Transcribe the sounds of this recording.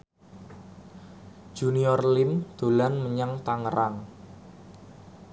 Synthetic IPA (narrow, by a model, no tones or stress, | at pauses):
d͡ʒ̥uniɔrlɪmd̪̥o̤lanməɲaŋt̪aŋəɾaŋ